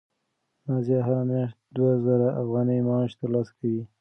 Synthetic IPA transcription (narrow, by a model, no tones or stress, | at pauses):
nazjɑɦaɾamjɑʃt̪̚d̪wazəɾaʔafɣɑnəjmɑʃt̪aɾlɑskʰawi